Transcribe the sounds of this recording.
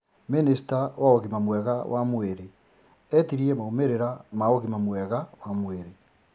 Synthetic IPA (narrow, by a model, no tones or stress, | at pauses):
minisitawaoɣimamwɛɣawʔamweɾe | ɛtiɾiemaomeɾeɾamaoɣimamwɛɣawamweɾe